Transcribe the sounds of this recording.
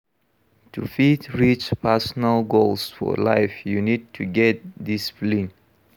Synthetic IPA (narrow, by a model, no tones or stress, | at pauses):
tʰufitɹit͡ʃpʰɛsnəlɡolsfɔ̰la̰ɪfjunid̚tʰuɡɛt̚d̪isfli